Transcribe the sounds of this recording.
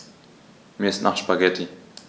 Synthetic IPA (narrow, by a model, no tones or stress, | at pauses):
miɐɪstnʔaχʃpaɡɛtʰi